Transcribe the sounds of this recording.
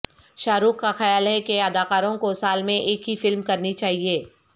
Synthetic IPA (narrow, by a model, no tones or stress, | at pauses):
ʃaːɾuːkkaxɐjaːlɦɛkeɐd̪aːkaːɾõkosaːlmẽʔeːkɦifɪlmkɐɾnit͡ʃaːɦieː